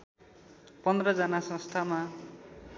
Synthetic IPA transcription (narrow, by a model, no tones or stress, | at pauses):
pʌnd̪ɾʌd͡zanasʌ̃ŋst̪ʰama